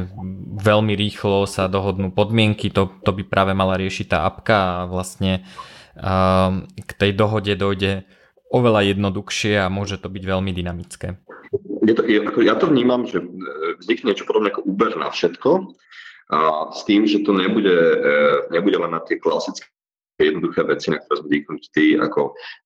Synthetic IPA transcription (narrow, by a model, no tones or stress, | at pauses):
ʋɛlmiɾiːxlɔsad̪ɔɦɔd̪nuːpɔd̪mɪɛŋkit̪ɔt̪ɔbipɾaːʋɛmalaɾɪɛʃict̪a̰ːʔapkaaʋlast̪ɲɛ | kt̪ɛjd̪ɔɦɔɟɛd̪ɔjɟɛ | ɔʋɛlajɛd̪nɔd̪uxʃɪɛamʊɔʒɛt̪ɔbiɟʋɛlmid̪inamit͡skɛːjɛt̪ɔjɛʔakɔjat̪ɔʋɲiːmamʒɛvzɲikɲɛɲɛt͡ʃɔ̥pɔd̪ɔbmɲɛakɔʔuːbɛɾna̰fʃɛt̪kɔ | ʔast̪iːmʒɛt̪ɔɲɛbuɟɛ | ɲɛbuɟɛlɛnːat̪ɪɛklasit͡sk | jɛd̪nɔd̪uxɛːʋɛt͡sinak̚t̪ɔɾɛːzmɛzik̚nuːct̪iːa̰kɔ̰